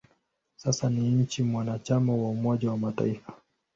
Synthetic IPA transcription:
sasaniɲ̩t͡ʃimwanat͡ʃamawaumɔʄawamata̰ifa

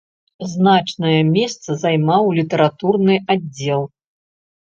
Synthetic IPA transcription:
znat͡ʂnɐjɐmʲɛst̪sɐzajmawlʲit̪ɐɾat̪urnɨadd͡zʲːɛlˠ

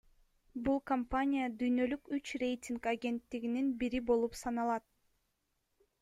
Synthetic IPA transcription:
bulˠkɐmpanʲijad̪yjnø̞lykyt͡ʃrʲe̞jtʲiŋkaɡʲe̞nt̪ːiɡininbiɾibo̞lˠupsɑnɑlˠɑt̪̚

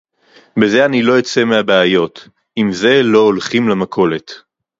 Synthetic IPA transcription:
be̞ze̞anilo̞jot͡se̞meabeajo̞t | imze̞lo̞ːlχimlamakʰo̞le̞t

